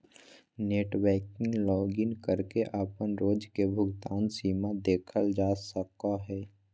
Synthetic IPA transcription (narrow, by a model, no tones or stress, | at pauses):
neːʈwɛːkɪ̃ŋɡlɔːɡɪnkəɾkeʔaːpənɾoːd͡ʒkebʱʊɡt̪aːnsiːmad̪eːkʰəld͡ʒaːsəkːaɦɛː